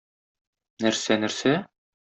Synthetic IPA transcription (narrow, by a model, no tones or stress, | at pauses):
næɾsænæɾsæ